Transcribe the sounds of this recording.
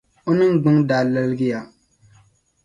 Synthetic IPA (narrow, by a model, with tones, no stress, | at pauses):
o˦nɨ˦ŋ˦ɡ͡bʊ˦ŋdaː˨lɛ˦lɡɪ˦ja˨